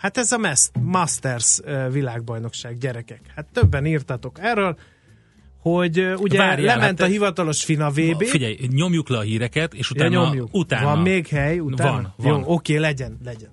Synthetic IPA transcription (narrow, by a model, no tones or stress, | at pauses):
hat̪ɛzɒmɛst̪mɒst̪ɛrzøvilaːɡ̚bɒjno̞kʃaːɡɟɛɾɛkɛkhat̪ːøbːɛniːrt̪ɒt̪o̞kɛrːøːl | ho̞ɟuɟɛaɾlɛmɛnt̪ɒhivɒt̪ɒlo̞ʃfinɒveːbeːfiɟɛjɲo̞mjuklɛɒɦiːɾɛkɛt̪eːʃut̪anɲo̞mjukut̪aːvɒmmeːɡhɛjuaːnvjoːokeːlɛɟɛnlɛɟɛn